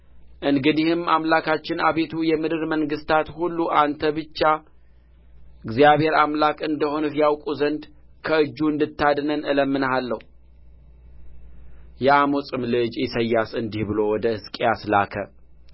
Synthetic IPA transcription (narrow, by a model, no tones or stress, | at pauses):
ʔɨnɡɨd̪ihɨmːamlakʰat͡ʃːɪnaβe̞t̪ʰujɛmɨd̪ɨɾməŋɡɨst̪ʰat̪hulːuʔant̪ʰəbɨt͡ʃːa | ɨɡzijaβhe̞ɾamlakʼɨnd̪əho̞nɨfjawkʼuzənd̪ | kʰəɨd͡ʒːuɨnd̪ɨt̪ːad̪nənɨləmːɨnhalːəhu | jɛamosʼɨmlɨd͡ʒjɪsəjːasɨnd̪ihbɨlo̞wɔd̪əhɨskʼejasla̰kʰə̰